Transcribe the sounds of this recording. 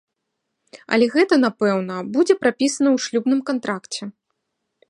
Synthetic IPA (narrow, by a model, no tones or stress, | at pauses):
ɐ̰lʲɛɣɛt̪ɐnapɛwnɐbud͡zʲɛpɾapʲisɐnɐwʂlʲubnɨmkant̪ɾakt͡sʲɛ